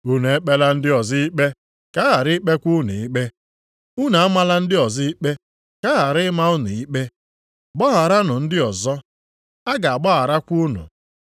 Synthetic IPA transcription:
u˦n˨e˦k͡pe˦la˦n̩˦dɪ˦ɔ˨zɪ˦i˦k͡pe˦ | ka˦ɣa˨ɾɪ˦k͡pe˦kʷu˦nu˨i˦k͡pe˦ | u˦na˨a˦ma˦la˦n̩˦dɪ˦ɔ˨zɪ˦i˦k͡pe˦ | ka˦ɣa˨ɾɪ˦ma˦ʊ˦nʊ˨i˦k͡pe˦˨ | ɡ͡bɔ˦ɣa˨ɾa˦nʊ˨n̩˦dɪ˦ɔ˨zɔ˦ | a˦ɡa˨a˨ɡ͡bɔ˦ɣa˨ɾa˦kʷu˦u˦nʊ̰˨

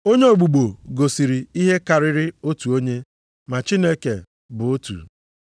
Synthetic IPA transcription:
o˦ɲe˦o˨ɡ͡bu˨ɡ͡bo˨ɡo˨si˨ɾi˨i˦ɦe˦ka˨ɾɪ˦ɾɪ˦o˦tu˨o˦ɲe˦ | ma˨t͡ʃi˦ne˦ke˨ | bʊ˨o˦tṵ˨

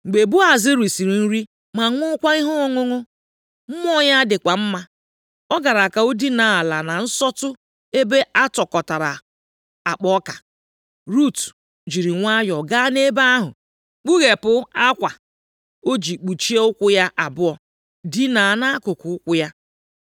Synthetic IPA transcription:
ŋ͡m̩˨ɡ͡be˨bu˦a˨zɪ˦ɾi˨si˨ɾi˨n̩˦ɾi˦ | ma˨˦ŋʊ˦kʷa˦i˦ɦɔ˦ɔ˦ŋo˦ŋo˦ | m̩˦m˦ɔ˦ɲa˦dɪ˨kʷa˨m̩˦ma˦ | ɔ˦ɡa˨ɾa˨ka˨o˦di˦na˨˦a˨la˨na˨n̩˦sɔ˦tʊ˦ | e˦be˦ʔa˦tɔ˨kɔ˨ta˨ɾa˨ | a˨k͡pɔ˦ka˨ | ɾu˦˨t | d͡ʒi˨ɾi˨ŋʷa˦jɔ˨ɡa˦ne˦ba˦a˦ɦʊ̰˨ | k͡pu˦ɣe˨pʊ˦a˦kʷa˨ | o˦d͡ʒi˨k͡pu˨t͡ʃi˦e˦ʊ˦kʷʊ˦ja˦ʔa˨bʊ˦ɔ˨ | di˦na˨na˦kʊ˨kʊ˨ʊ˦kʷʊ˦ja˦

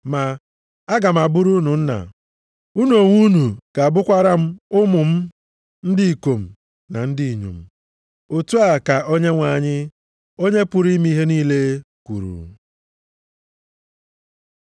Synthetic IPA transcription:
ma˨ | a˦ɡa˨m̩˨a˨bʊ˦ɾu˦nu˨n̩˦na̰˨ | u˦nu˦o˨ŋʷu˦nu˨ka˨a˨bʊ˦kʷa˦ɾa˦m̩˦ʊ˦mʊ˨m̩˦ | n̩˦dɪ˦i˨ko˨m̩˨ | na˨n̩˦di˦i˨ɲṵ˨m̩˨ | o˨tu˦a˨ka˨ʔo˦ɲe˦ŋʷa˨ɲɪ˦ | o˦ɲe˦pʊ˨ɾi˦mi˦ɦe˦niː˦le˦kʷṵ˨ɾṵ˨

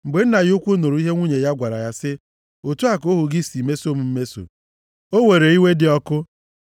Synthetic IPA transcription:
ŋ͡m̩˨ɡ͡be˨n̩˦na˨ɣʊ˦kʷu˦no˨ɾu˨˦i˦ɦe˦ŋʷu˦ɲe˨ja˦ɡʷa˨ɾa̰˨ja˦sɪ˦ | o˨tu˦a˦ko˦ɦʊ˨ɡɪ˦˨si˨me˦so˦m̩˨˦m̩˦me˦so̰˨ | o˦we˨ɾe˨i˦we˦dɪ˨ɔ˦kʊ˦

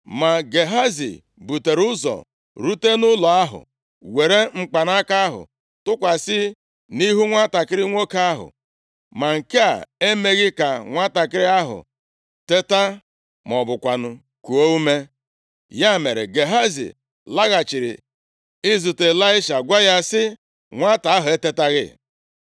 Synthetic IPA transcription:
ma˨ɡe˨ɦa˦zḭ˨ | bu˨te˨ɾʊ˦zɔ̰˨ | ɾu˦te˦nʊ˦lɔ˨a˦ɦʊ̰˨ | we˨ɾe˦ŋ͡m̩˨k͡pa˨na˦ka˦a˦ɦʊ̰˨ | tʊ˦kʷa˨sɪ˦ | ni˦ɦu˦ŋʷa˦ta˨kɪ˦ɾɪ˦ŋʷo˦ka˦a˦ɦʊ̰˨ | ma˨ŋ̩˨ke˦a̰˨e˦me˦ɣɪ˦ka˨ŋʷa˦ta˨kɪ˦ɾɪ˦a˦ɦʊ̰˨ | te˦ta˦ | mɔ˨bʊ˨kʷa˨nʊ˦ | ku˨o˦u˦me˦ | ja˦˨me˨ɾḛ˨ɡe˨ɦa˦zḭ˨ | la˦ɣa˨t͡ʃi˨ɾɪ̰˨ | ɪ˦zu˨te˨la˦ɪ˦ʃa˨ɡʷa˦ja˦sɪ˦ | ŋʷa˦ta˨a˦ɦʊ˨e˦te˦ta˦ɣɪ̰˦

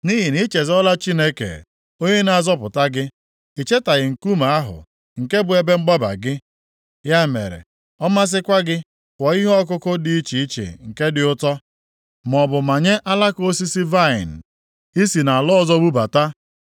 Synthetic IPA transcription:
ni˦ɦi˨ni˦t͡ʃe˨zɔ˦la˦t͡ʃi˦ne˦kḛ˨ | o˦ɲe˦na˨a˨zɔ˦pʊ˨ta˦ɡɪ˦ | i˨t͡ʃe˦ta˨ɣɪ˨ŋ̩˨ku˦ma˨a˦ɦʊ̰˨ | ŋ̩˨ke˦bʊ˨e˨be˦ŋ͡m̩˦ɡ͡ba˦ba̰˨ɡɪ˦ | ja˦mḛ˨ɾḛ˨ | ɔ˦ma˦s̬ɪ˦kʷa˦ɡɪ˦ | kʷɔ˨i˦ɦɔ˦k̬ʊ˦kʊ˦di˦i˦t͡ʃi˨i˦t͡ʃḛ˨ŋ̩˨ke˦dɪ˨ʊ˦tɔ˦ | m˨ɔ˨bʊ˨ma˨ɲe˦ʔa˦la˦ko˦si˦si˦va˦˨ɪ̰˨n̩˨ | i˦si˨na˨a˨lɔ˦zɔ˦bu˦ba˨ta˦

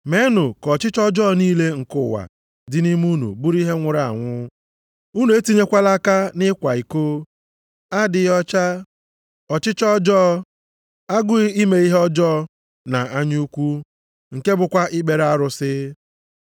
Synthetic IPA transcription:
me˨˦nʊ˨kɔ˨t͡ʃɪ˦t͡ʃɔ˦d͡ʒɔː˦niː˦le˦ŋ̩˨kʊ˦˨wa̰˨ | dɪ˦ni˦m˦u˦nṵ˨bu˦ɾi˦ɦe˦ŋʷʊ˦ɾa˨ŋʷʊ˦ | u˦nu˨e˦ti˦ɲe˦kʷa˦la˦ka˦nɪ˦kʷa˨i˨ko˦ | a˦dɪ˨jɔ˦t͡ʃa˦ | ɔ˨t͡ʃɪ˦t͡ʃɔ˦d͡ʒɔː˦ | a˦ɡʊ˦ɪ˦i˦me˨i˦ɦe˦ɔ˦d͡ʒɔ˦ | na˨a˦ɲuu˦kʷu˦ | ŋ̩˨ke˦bʊ˨kʷa˦ʔɪ˦ɡ͡be˨ɾa˦ɾʊ˨˦sɪ˦

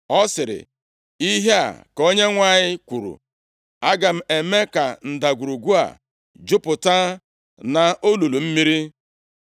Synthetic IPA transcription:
ɔ˦sɪ˨ɾɪ̰˨ | i˦ɦe˦a̰˨ko˦ɲe˦ŋʷa˦˨ɲɪ˦kʷu˨ɾṵ˨ | a˦ɡa˨m̩˦e˨me˦ka˨n̩˨da˨ɡʷu˨ɾu˨ɡʷu˦a̰˨ | d͡ʒʊ˦pʊ˨ta˦ | na˨o˦lu˨lu˨m̩˦mi˦ɾi˦

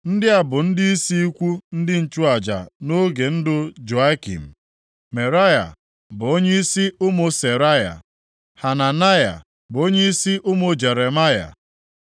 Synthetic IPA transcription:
n̩˦dɪ˦a˨bʊ˨n̩˦dɪ˦i˦si˦i˦kʷu˦n̩˦dɪ˦n̩˨t͡ʃu˦a˨d͡ʒa̰˨no˦ɡe˨n̩˦dʊ˦d͡ʒo˨a˦kḭ˨m̩˨ | me˨ɾa˦ja̰˨ | bʊ˨o˦ɲe˦i˦si˦ʊ˦mʊ˦se˨ɾa˦ja̰˨ | ha˨na˨na˦ja̰˨ | bʊ˨o˦ɲe˦i˦si˦ʔʊ˦mʊ˦d͡ʒe˨ɾe˨ma˦ja̰˨

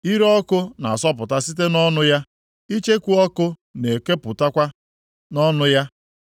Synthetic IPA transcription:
i˦ɾɔ˦kʊ˦na˨a˨sɔ˦p̬ʊ˨ta˦si˦te˦nɔ˦nʊ˦ja˦ | i˦t͡ʃe˦kʷu˦ɔ˦kʊ˦ne˨ke˦pʊ˨ta˦kʷa˦ | nɔ˦nʊ˦ja˦

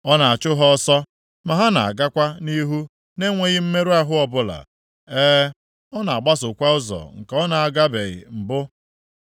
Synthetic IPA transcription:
ɔ˦na˨a˨t͡ʃʊ˦ɦɔ˦sɔ˦ | ma˨ɦa˦na̰˨a̰˨ɡa˦kʷa˦ni˦ɦu˦ | ne˦ŋʷe˦ɣɪ˦m̩˦me˦ɾu˦a˦ɦʊ˦ɔ˨bʊ˦la̰˨ | eː˦ | ɔ˦na˨a˨ɡ͡ba˦sʊ˨kʷa˦ʊ˦zɔ̰˨ŋ̩˨kɔ˦na˨a˨ɡa˦be˨ɣɪ̰˨m̩˨bʊ˦

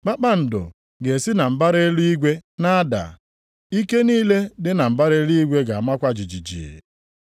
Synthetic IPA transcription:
k͡pa˦k͡pa˦n̩˨dʊ̰˨ | ɡe˨si˦na˨m̩˨ba˦ɾe˦lu˦i˦ɡʷe˦na˦da̰˨ | i˦ke˦niː˦le˦dɪ˦na˨m̩˨ba˦ɾe˦lu˦i˦ɡʷe˦ɡa˨a˨ma˦kʷa˦d͡ʒi˨d͡ʒi˨d͡ʒḭ˨

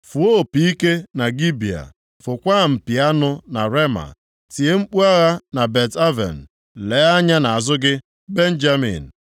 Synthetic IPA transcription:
fu˨o˦˨pi˦ke˦na˨ɡi˦bi˨a̰˨ | fʊ˨kʷa˦˨m̩˨pi˨a˦nʊ˦na˨ɾe˦ma̰˨ | ti˨e˦ŋ͡m̩˦k͡pu˦a˦ɣa˦na˨be˨ta˦vḛ˨n̩˨ | le˨˦a˦ɲa˦na˨a˨zʊ˦ɡɪ˦ | be˦n̩˦d͡ʒa˦mḭ˨n̩˨

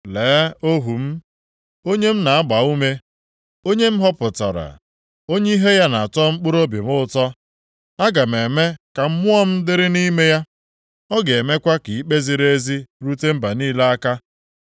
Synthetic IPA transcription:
leː˨˦o˦ɦu˨m̩˦ | o˦ɲe˦m̩˦na˨a˦ɡ͡ba˨u˦me˦ | o˦ɲe˦m̩˦ɦɔ˦pʊ˨ta̰˨ɾa̰˨ | o˦ɲe˦i˦ɦe˦ja˦na˨a˨tɔ˦ŋ͡m̩˦k͡pʊ˦ɾo˦bji˨mʊ˦˨tɔ˦ | a˦ɡa˨m̩˨e˨me˦ka˨m̩˦mʊ˦ɔ˦m̩˦dɪ˦ɾɪ˦ni˦me˦ja˦ | ɔ˦ɡe˨e˨me˦kʷa˦ki˨i˦k͡pe˦zi˨ɾe˦zi˦ɾu˦te˦m̩˦ba˨niː˦la˦a˦ka˦

